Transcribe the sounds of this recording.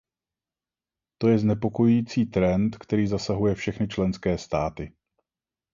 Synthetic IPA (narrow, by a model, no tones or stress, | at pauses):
t̪o̞jɛznɛpo̞ko̞jujiːt͡siːt̪ɾɛnt̪kt̪ɛɾiːzasaɦujɛfʃɛxnɪt͡ʃlɛnskɛːst̪aːt̪ɪ